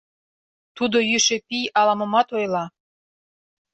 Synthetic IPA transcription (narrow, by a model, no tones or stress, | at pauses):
t̪ud̪ojyʃepijɑlɑmɤ̆mɑt̪ojlɑ